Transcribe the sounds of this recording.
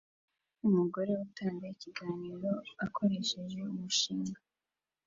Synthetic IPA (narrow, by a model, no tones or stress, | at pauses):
umuɡo̞ɾe̞utaːŋdaiciɡaːniːɾo̞akʰo̞ɾe̞ʃe̞ʒe̞umuʃimɡa